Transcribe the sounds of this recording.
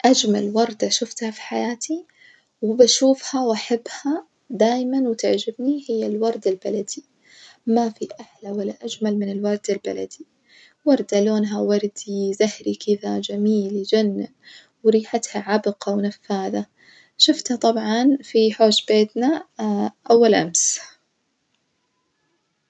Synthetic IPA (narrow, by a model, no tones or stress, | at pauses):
ʔad͡ʒma̰lwɑɾˤd̪aʃʊft̪hafi̥ħajaːt̪ʰi | wɪbaʃuːfhawʔaħabːha | d̪aːjmanwɪt̪ɪʕd͡ʒɪbnihɪjːalwɑɾˤd̪albalad̪i | mafiʔaħlawalːaʔad͡ʒmalmɪnɪlwɑɾˤd̪alba̰la̰d̪̥i | wɑɾˤd̪aloːnɦawɑɾˤd̪izahɾikʰɪðad͡ʒamiːld͡ʒanː | wɾiːħat̪haʕabqɑwnafːaːða | ʃʊft̪hat̪ˤɑbʕɑnfiħoːʃbeːt̪na | ʔawːalʔa̰ms